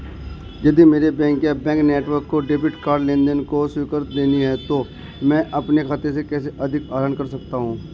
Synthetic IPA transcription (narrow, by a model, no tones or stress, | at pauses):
jɐd̪imeːɾebɛ̃ːŋkjabɛ̃ːŋkneːʈʋəɾkːoɖeːpɪʈkaːɾɖlẽːnd̪ənkoswiːkəɾt̪d̪eːniɦɛt̪o | mɛ̃ːʔɐpnekʰaːt̪es̬ekɛːseʔɐd̪ʱɪkaːɾaːnkɐɾsɐk̚t̪aɦũː